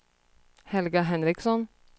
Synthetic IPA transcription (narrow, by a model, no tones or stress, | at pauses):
hɛlɡɑɦɛnɾɪksɔn